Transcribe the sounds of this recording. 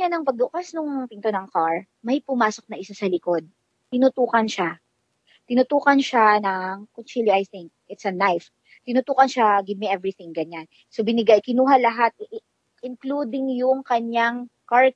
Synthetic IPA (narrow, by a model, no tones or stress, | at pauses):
anɐŋpɐɡ̪̚ʊkasnʊŋpɪnt̪onɐŋkaɹ | mɐjpʊmaːso̞k̚nɐʔɪsosɐlɪko̞d̪̚ | t̪ɪnʊt̪uːkɐnʃa | t̪ɪnʊt̪uːkɐnʃanɐŋkʊnt͡ʃiliʔajθɪŋk̚ʔɪt̪sɐnajf | t̪ɪnʊt̪uːkɐnʃaɡɪb̚miʔɛvɹiθɪŋɡɐɲan | sobɪnɪɡajkɪnuːɦɐlɐɦat̪̚ʔ | ʔɪnklud̪ɪŋjʊŋkɐɲaŋ | kaɹ̚